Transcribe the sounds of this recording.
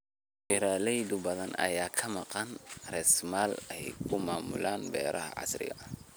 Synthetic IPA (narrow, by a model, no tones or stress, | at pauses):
ɪɾaːlɛjd̪ʊbɐðɐnɐ̰jaːkʰɐmɑqɑnrɛsmaːlɛjkʰʊmaːmʊ̰laːnbɛ̰ːɾʔɐhɐ̰ʕɑ̰srɪ̰ɣɐ